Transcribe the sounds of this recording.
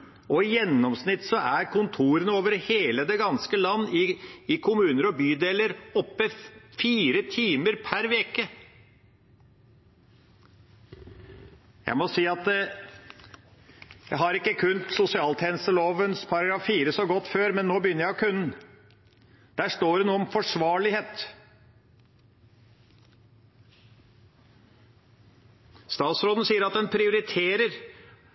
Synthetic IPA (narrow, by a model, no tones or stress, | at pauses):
ɔɪjɛnːɔmsnɪt̪ːsɔʔæɾkʰʊnt̪ʰuːɾənəoːʋəɾheːləd̪ɛɡɑnskəlɑnːɪɪkʰʊmʉːnəɾɔbyːd̪eːləɾɔpːəfiːɾət̪ʰiːməɾpʰæɾʋeːkə | jæ̰ɪmɔsiːɑt̪̚ | jæɪɦɑɾɪkːəkʰʉnt̪sʊsɪɑːlt̪ʰeːnəst̪əloːʋənspʰɑɾɑɡɾɑːfːiːɾəsɔɡɔt̪ːføːɾmɛnːoːbəjʏnːəɾjæɪkʰʉnːn̩ | d̪̥æːʂt̪oːɖɛnuːəɔmfɔʂʋɑːɭɪheːt̪ | st̪ɑːt̪sɾoːd̪n̩siːəɾɑt̪̚d̪ɛnpʰɾɪʊɾɪt̪ʰeːɾəɾ